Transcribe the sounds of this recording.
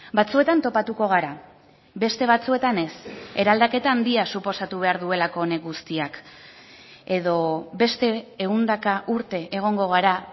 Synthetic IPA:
bat͡sue̞t̪ant̪o̞pat̪uko̞ɣ̞aɾa | be̞st̪e̞β̞at͡sue̞t̪ane̞se̞ɾald̪ake̞t̪aːnd̪iasupo̞sat̪uβ̞e̞aɾðue̞lako̞ːne̞ɣust̪iak | e̞ðo̞be̞st̪e̞ːɣund̪akaʔuɾt̪e̞ʔeɣ̞o̞ŋɡo̞ɣ̞aɾa

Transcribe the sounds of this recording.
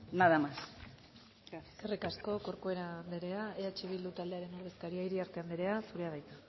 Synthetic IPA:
naðamas | erikasko̞ko̞ɾkoe̞ɾand̪eɾe̞aeat͡ʃiβild̪ut̪ald̪e̞aɾe̞noɾðe̞skaɾiaiɾiaɾt̪e̞and̪eɾe̞asuɾe̞aðajt̪a

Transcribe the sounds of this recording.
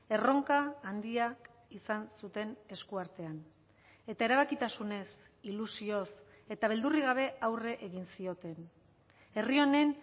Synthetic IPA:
e̞ro̞ŋkaːnd̪iak | isansut̪e̞ne̞skuaɾt̪e̞an | e̞t̪ae̞ɾaβakit̪asune̞s | ilusios | e̞t̪aβ̞e̞ld̪uriɣ̞aβ̞e̞awre̞ʔeɣinsio̞t̪e̞n | e̞rio̞ne̞n

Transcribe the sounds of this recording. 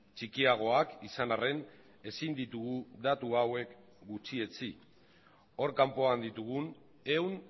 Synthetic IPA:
t͡ʃikiaɣ̞o̞akisanare̞n | e̞sind̪it̪uɣud̪at̪uawe̞k | ɡut͡ʃie̞t͡si | o̞ɾkampo̞and̪it̪uɣ̞un | e̞wn

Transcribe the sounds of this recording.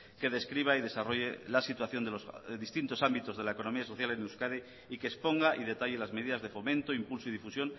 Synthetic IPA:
ke̞ðe̞skɾiβ̞aiðe̞saro̞ʝelasit̪waθjo̞nd̪elosðist̪int̪o̞sambit̪o̞zðe̞laeko̞no̞miaso̞θjaleneuwskaðe | ikeːspo̞ŋɡaʔiðe̞t̪aʎelazme̞ðiðazðe̞fo̞mẽnt̪oimpulsoiðifusjo̞n

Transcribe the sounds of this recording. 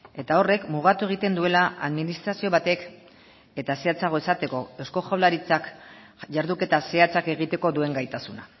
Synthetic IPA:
e̞t̪ao̞re̞kmuɣ̞at̪ue̞ɣ̞it̪e̞nd̪ue̞laaðminist̪ɾasio̞βat̪e̞k | e̞t̪ase̞at͡saɣ̞o̞e̞sat̪e̞ko̞ewsko̞xawlaɾit͡sak | ʝaɾðuke̞t̪ase̞at͡sake̞ɣ̞it̪e̞ko̞d̪ue̞ŋɡajt̪asuna̰

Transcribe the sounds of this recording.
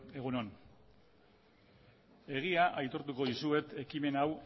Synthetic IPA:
e̞ɣuno̞n | e̞ɣ̞iaʔajt̪o̞ɾt̪uko̞ðisue̞t̪e̞kime̞naw

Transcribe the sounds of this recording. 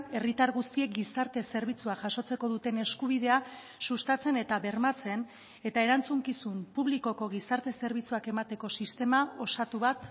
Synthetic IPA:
e̞rit̪aɾɣust̪ie̞k̚ɡisaɾt̪e̞se̞ɾβit͡suaʝaso̞t͡se̞ko̞ðut̪e̞ne̞skuβ̞ið̞e̞a | sust̪at͡se̞ne̞t̪aβe̞rmat͡se̞n | e̞t̪ae̞ɾant͡suŋkisumpuβliko̞ko̞ɣ̞isaɾt̪e̞se̞ɾβit͡suake̞mat̪e̞ko̞sist̪e̞mao̞sat̪uβat̪

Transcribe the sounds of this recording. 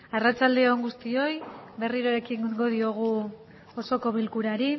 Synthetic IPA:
arat͡ʃald̪e̞oŋɡust̪io̞jβe̞riɾoɾe̞kiŋɡo̞ð̞io̞ɣ̞u | oso̞ko̞βilkuɾaɾi

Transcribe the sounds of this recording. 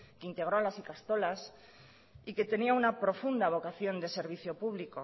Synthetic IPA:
keint̪e̞ɣ̞ɾoalasikast̪o̞las | ike̞t̪e̞niaunapɾo̞fund̪aβ̞o̞kaθjo̞nd̪e̞se̞ɾβ̞iθjo̞puβliko

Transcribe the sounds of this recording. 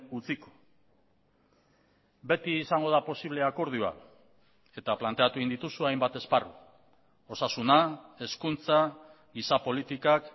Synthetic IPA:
ut͡siko̥ | be̞t̪iːsaŋɡo̞ð̞apo̞siβle̞ako̞ɾð̞ua̰ | e̞t̪aplant̪e̞at̪uind̪it̪usuajmbat̪e̞sparu | o̞sasunae̞skunt͡sa | ɡisapo̞lit̪ikak

